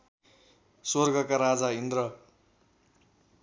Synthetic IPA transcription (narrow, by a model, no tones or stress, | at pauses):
sorɡʌkaɾad͡zaind̪rʌ